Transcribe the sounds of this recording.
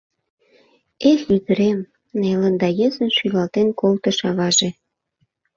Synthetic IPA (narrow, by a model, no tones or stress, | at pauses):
eɬyd̪ə̆ɾem | nelə̆nd̪ɑjezənʃylɑlt̪enkolt̪ə̆ʃɑβɑʒe